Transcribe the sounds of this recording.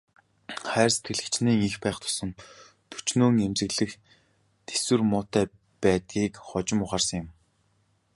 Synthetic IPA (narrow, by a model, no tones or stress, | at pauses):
χæːrse̥t̪̚ɡɘ̆ɮɘ̆kt͡ɕniːŋixpæːχt̪ʰʊ̥sə̆n | t̪ʰɵt͡ɕnoːŋemt͡ɕɘ̆ɣɮɘ̆x | t̪e̥swɘ̆rmʊːt̪ːæː | pæːt̪̚ɡʲiːkχɔt͡ɕɪ̆mʊχaːrsə̆ŋjɪ̆m